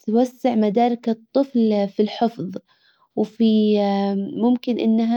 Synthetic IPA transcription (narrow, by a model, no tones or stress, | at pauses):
t̪wasːɪʕmad̪aːɾɪkɑt̪ˤːɨflfilħɪfðˤ | wfi | mʊmkɪnʔɪ̰nːaɦa